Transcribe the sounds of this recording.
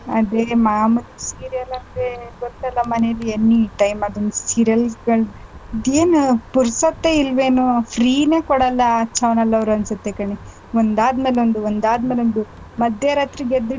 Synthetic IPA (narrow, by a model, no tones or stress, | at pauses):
ɐd̪emɐamɐd̪isiːɾijɐlɐnd̪ɾeɡoɾt̪ɐlːɐmɐnejlienːiʈɐjmɐd̪ond̪usiːɾijɐlɡɐɭid̪eːnupuɾsɐt̪ːeilʋe̞ːnupʰɾiːne̞ːkɔɽɐlːɐt͡ʃʰɐwnɐlːɐʋɾuɐnsɐt̪ːekɐɳi | ond̪aːd̪meːleond̪uond̪aːd̪meːleond̪u | mɐd̪ʱjɐɾɐːt̪ɾiɡed̪i